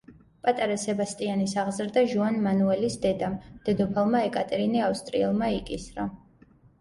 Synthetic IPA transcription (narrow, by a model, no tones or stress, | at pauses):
pʼat̪ʼaɾasɛbast̪ʼianisaʁzɾd̪aʒuanmanuɛlisd̪ɛd̪amd̪̥ɛd̪ɔpʰalˠmaɛkʼat̪ʼɛɾiniafst̪ʼɾḭɛlˠmaikʼisɾa